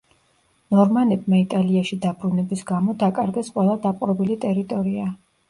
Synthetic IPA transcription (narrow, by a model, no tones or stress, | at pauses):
nɔɾmanɛbmait̪ʼaliaʃid̪abɾunɛbisɡamɔd̪akʼaɾɡɛsqʼwɛlˠad̪apʼɾɔbilit̪ʼɛɾit̪ʼɔɾia